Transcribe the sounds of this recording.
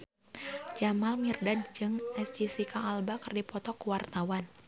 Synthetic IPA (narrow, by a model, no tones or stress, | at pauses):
d͡ʒamalmirdad̚d͡ʒɨŋɛsd͡ʒisikaːlbakɨrdipɔt̪ɔkuwart̪awan